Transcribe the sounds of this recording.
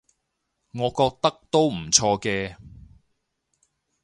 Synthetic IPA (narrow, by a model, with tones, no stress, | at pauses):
ŋɔː˨˧kɔː˧k̚t̪ɐ˥k̚t̪o˥wm̩˨˩t͡sʰɔː˧kɛː˧